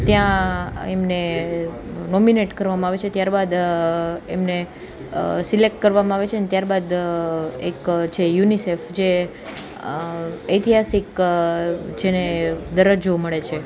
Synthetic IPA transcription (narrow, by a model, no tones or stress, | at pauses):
t̪jãḛmne | nɔmineʈkəɾʋamãaʋet͡ʃʰet̪jaɾbad̪ | emne | silek̚ʈkəɾʋamãaʋet͡ʃʰeənet̪jaɾbad̪ | ekt͡ʃʰejunisefd͡ʒe | əjt̪iɦasik | d͡ʒened̪əɾəd͡ʒoməɭet͡ʃʰe